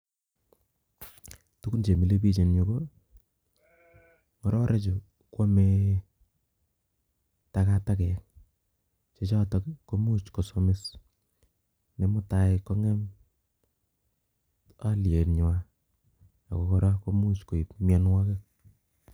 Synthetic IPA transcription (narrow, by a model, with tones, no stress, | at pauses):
tu˦ku˦nt͡ʃe˨mi˨le˦bi˦t͡ʃe˨njo˨ko˦ | ŋɔ˨˦ɾɔ˦ɾʔe˦t͡ʃo˨ | kwo˦me˦ | ta˨ka˦ta˦kɛ˨k | t͡ʃe˦t͡ʃa˦tɔ˨kko˦mu˦t͡ʃko˨so˦me˦s | ne˨mo˦ta˨ɪko˦ŋɛ˦m | a˦lje˨nɲ˨wa˦ | ja̰˨ko˨kɔ˦ɾa˦ko˦mu˦t͡ʃko˨i˨pmja˦nwa˦ke˦k̚